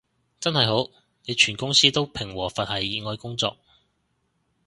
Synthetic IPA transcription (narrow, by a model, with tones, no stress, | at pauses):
t͡sɐ˥nhɐ˨jɦo˨˥w | ne˨˧jt͡ʃʰyː˨˩nkʊ˥ŋsiː˥t̪o˥wpʰɪ˨˩ŋwɔː˨˩fɐ˨t̚hɐ˨˩jiː˨˧ŋɔː˨˧jkʊ˥ŋt͡sɔ̰ː˨k̚